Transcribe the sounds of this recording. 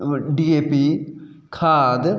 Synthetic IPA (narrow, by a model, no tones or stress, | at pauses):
ɖieːpi | kʰaːd̪